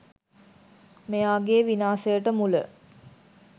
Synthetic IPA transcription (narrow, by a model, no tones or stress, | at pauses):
mejaːɡeːʋinaːsəjəʈəmulə̰